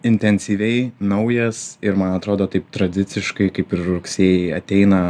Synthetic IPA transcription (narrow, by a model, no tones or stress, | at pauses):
ɪnʲt̪ʲɛnʲsʲiːʋʲɛɪnɐʊjɛsɪɾmɐnɐt̪ɾoːd̪oːt̪ɐɪp̚t̪ɾɐd̪ʲɪt̪sʲɪʃkɐɪkɐɪpɪɾɾʊksʲeːjɛɪɐt̪ʲɛɪnɐ